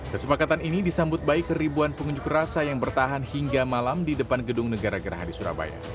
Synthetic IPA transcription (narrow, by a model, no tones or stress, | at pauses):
kəsəpakat̪aninidisambʊt̪̚baɪkːəɾibuanpəŋuɲd͡ʒukrasajaŋbərt̪aɦanhiŋɡamalamdidəpanɡədʊŋnəɡaɾaɡəɾa̰ɦadisuɾa̰ba̰ja̰